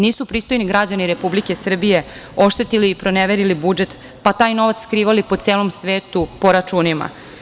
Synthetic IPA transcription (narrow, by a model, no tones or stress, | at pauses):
niːsupɾiːst̪ojniɡɾad͡ʑaniɾe̞publike̞sr̩bije̞ | o̞ʃt̪e̞t̪iliːpɾo̞neʋeɾilibud͡ʒe̞t̪ | pat̪aːjno̞ʋat̪skɾiːʋalipo̞t̪seːlo̞msʋeːt̪upo̞ɾat͡ʃunima̰